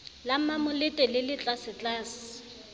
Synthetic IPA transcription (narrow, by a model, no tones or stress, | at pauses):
lam̩mamʊlɪtʼɛlɪlɪt͡ɬʼasɪt͡ɬʼaːsɪ̥